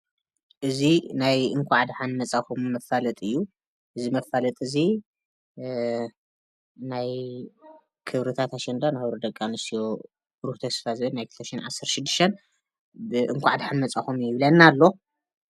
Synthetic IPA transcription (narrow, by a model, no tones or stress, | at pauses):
ʔɨzinajʔɨŋkʷʰaʕad̪ħanmɐt͡sʼaxumːɐfalɐt̪ʼɨjːu | ʔɨzimɐfalɐt̪ʼɨzi | naj | kʰɨβɾɨt̪ʰat̪aʃɛnd̪anahβɾod̪ɐkʼːanɨsijo | ɾuht̪ʰɐsfazɨβɨnajkʰɨlt̪ʰɐʃinʕasːɐɾt̪ʃɪd̪ːɨʃt̪ʰɐn | bɨʔɨŋkʷʰaʕad̪ħanmɐt͡sʼaxumjɪβlɐnːalːo̞